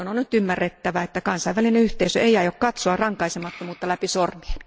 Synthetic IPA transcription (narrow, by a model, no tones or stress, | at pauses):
ononnyt̪ymːærːet̪ːæʋæet̪ːækɑnsɑiʋælineyht̪eisø̰ʔeiɑjokkɑt̪soɑrɑŋkɑisemɑt̪ːomuːt̪ːɑlæpisormien